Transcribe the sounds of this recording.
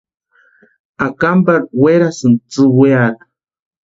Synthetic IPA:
akambaɾweɾasɨnt͡sɨweatḁ

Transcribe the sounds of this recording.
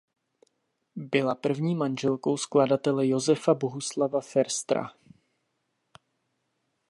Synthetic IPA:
bɪlapr̩vɲiːmanʒɛlko̞wskladat̪ɛlɛjo̞zɛfaboɦuslavafɛɾst̪ɾa̰

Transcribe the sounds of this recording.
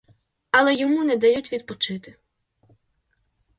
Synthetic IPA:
ɐlˠɛjɔmunɛd̪ɐjutʲʋʲid̪̚pɔt͡ʃɪt̪ɪ

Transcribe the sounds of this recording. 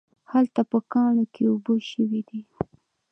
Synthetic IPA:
halt̪apəkɑɳokeuboʃəwid̪i

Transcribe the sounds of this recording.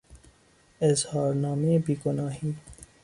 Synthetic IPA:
ɪzhɑːɾnɑːmeːbiːɡʊnɑːɦiː

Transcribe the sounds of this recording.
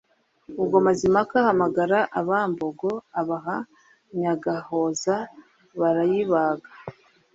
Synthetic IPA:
uɡomazimakahamaɡaɾaʔaβaːmboɡo̞aβaɦa | ɲaɡaho̞za | βaɾajiβaɡa

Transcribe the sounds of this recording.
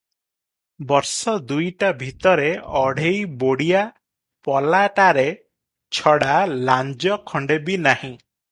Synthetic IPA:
bɔɾsɔd̪ujʈabʱit̪ɔɾeɔɽ̤ejboɽija | pɔlaʈaɾe | t͡ʃʰɔɽaland͡ʒɔkʰɔɳɖebinahĩ

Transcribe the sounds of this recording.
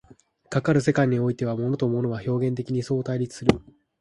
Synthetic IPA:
kakaɾɯ̟se̞kaiɲ̟io̞it̪e̞β̞amo̞no̞t̪o̞mo̞no̞βaço̞ːɡẽ̞nt̪e̞kʲiɲ̟iso̞ːt̪aiɾʲit͡sɨ̥sɨɾɯ

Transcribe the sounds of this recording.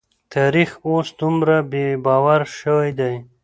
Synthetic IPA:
t̪ʰaɾixosd̪umɾabebɑwaɾʃəwajd̪aj

